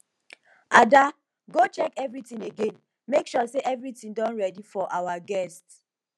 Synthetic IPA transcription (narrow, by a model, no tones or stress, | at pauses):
ada | ɡot͡ʃɛkɛvɹitĩneɡẽn | mekʃɔseʔɛvɹitĩdɔ̃nɹɛdifɔʔawaɡɛst